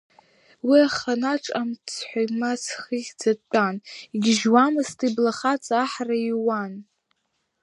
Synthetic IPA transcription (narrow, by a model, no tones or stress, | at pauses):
wiaχanaʈ͡ʂʼamt͡sʰħʷajmat͡sʰχiχʲd͡zat͡pʷʼaniɡʲɪʒwamɨstʰʼiblaχat͡sʼaħraiwan